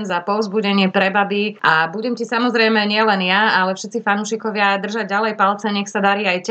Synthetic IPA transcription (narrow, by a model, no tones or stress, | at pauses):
nzapɔʊzbuɟɛɲɪɛpɾɛbabiʔabuɟɛmcisamɔzɾɛjmɛɲɪɛlɛnjaalɛfʃɛt̪t͡sifanuːʃikɔʋɪad̪r̩ʒaɟɟalɛjpalt͡sɛɲɛxsad̪aɾiajc